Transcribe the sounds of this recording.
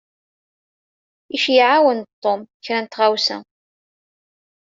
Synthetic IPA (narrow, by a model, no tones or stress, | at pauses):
iʃjiʕawənt̪ˤːomçɾænt̪ʁawsæ̰